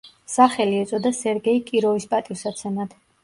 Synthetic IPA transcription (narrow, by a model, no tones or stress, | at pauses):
saχɛliɛt̪sʼɔd̪asɛɾɡɛikʼiɾɔvispʼat̪ʼiwsat̪sʰɛnad̪̥